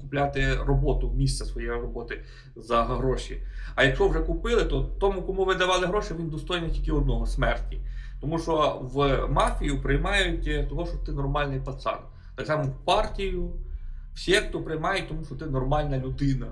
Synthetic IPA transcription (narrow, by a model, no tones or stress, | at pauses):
kʊplʲat̪ɪrɔbɔt̪ʊmʲist̪sɛsʋɔjɛjrɔbɔt̪ɪ | zɐɦɾɔʃiɐjɐkt͡ʃɔɔwʐɛkʊpɪlˠɪt̪ɔt̪ɔmukɔmuʋɪd̪ɐʋɑlˠɪɦɾɔʃɛʋʲind̪ɔst̪ɔjnʲɐtʲilʲkʲɪɔd̪̚nɔɦɔsmɛrtʲi | t̪ɔmuʃt͡ʃɔʋmɑfʲijʊpɾɪjmɑjʊtʲt̪ɔɦɔʃɔt̪ɪnɔrmɑlʲnɪjpɐt̪sɑ̰d̪ | t̪ɑksɑmɔwpɑrtʲijʊw̥sʲikt̪ɔpɾɪjmɑjɛt̚ʲt̪ɔmuʃɔt̪ɪnɔrmɑlʲnɐlʲʊd̪ɪnɐ